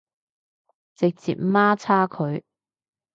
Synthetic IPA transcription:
t͡sɪ˨k̚t͡sḭː˨p̚maː˥t͡sʰaː˥kʰɵ˨˧ɥ

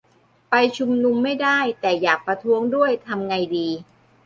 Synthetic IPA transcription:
pa˧jt͡ɕʰu˧mnu˧mːa˥˩jdaː˥˩jt̪ɛː˨˩jaː˨˩k̚pɾa˧t̪ʰu˦˥əŋdu˥˩əjt̪ʰa˧mŋa˧jdiː˧

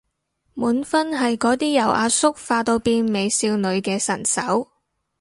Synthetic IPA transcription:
muː˨˥nfɐ˥nɦɐ˨jkɔː˨˥t̪iː˥jɐ˨˩wʔaː˧sʊ˥k̚faː˧t̪o˧wpiː˧nme˨˧jsiː˧wnɵ˨˧ɥkɛː˧sɐ˨˩nsɐ˨˥w

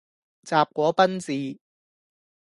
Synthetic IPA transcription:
t͡saː˨p̚kʷɔː˨˥pɐ˥nt͡siː˨˧

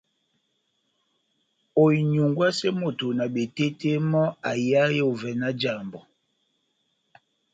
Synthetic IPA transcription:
o˨i˨ɲu˨ŋɡwa˦sɛ˦mo˨to˨na˨ɓe˨te˦te˦mɔ˦a˨ja˦jo˨vɛ˨na˦d͡ʒa˨mbɔ˨

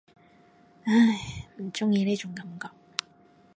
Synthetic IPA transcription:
a˥˧˩jm̩˨˩t͡ʃʊ˥ŋjiː˧ne˥jt͡ʃʊ˨˥ŋkɐ˨˧˥mkɔː˨˧k̚

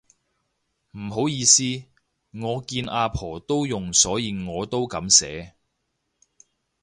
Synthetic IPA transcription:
m̩˨˩ɦo˨˥wjiː˧siː˥ | ŋɔː˨˧kiː˧nʔaː˧pʰɔː˨˩t̪o˥wjʊ˨ŋsɔː˨˥jiː˧ŋɔː˨˧t̪o˥wkɐ˨˧˥msɛː˨˥

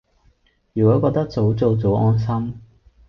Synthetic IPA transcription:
jy˨˩kɔː˨˥kɔː˧k̚t̪ɐ˥k̚t͡so˨˥wt͡so˨˧wt͡so˨˥ɔː˥nsɐ˥m

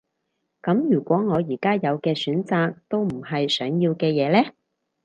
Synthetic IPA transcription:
kɐ˨˥mjyː˨˩kʷɔː˨˥ŋɔː˨˧jiː˨˩kaː˥jɐ˨˧wkɛː˧syː˨˥nt͡saː˨˧k̚t̪o˥wm̩˨˩ɦɐ˨jsœː˨˥ŋjiː˧wkɛː˧jɛː˨˧lɛː˥

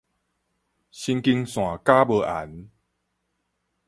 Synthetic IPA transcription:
ɕi˧ŋki˧ŋsw̃ã˨˩ka˦bə˧˩ʔa̰˨˩˦n

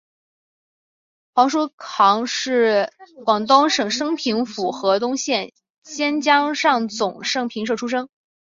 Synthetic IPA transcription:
xwɑ˧˥ŋʂ̬u˥kʰɑ˧˥ŋʂɻ̩˥˩kwɑ˨˩ŋt̪ʊ˥ŋʂɤ˨˩ŋʂɤ˥ŋpʰi˧˥ŋfu˨˩xɤ˧˥t̪ʊ˥ŋɕjɛ˥˩n | ɕjɛ˥nt͡ɕjɑ˥ŋʂɑ˥˩ŋt͡sʊ˨˩ŋʂɤ˥ŋpʰi˧˥ŋʂ̬ɤ˥˩ʈ͡ʂʰu˥ʂɤ˥ŋ

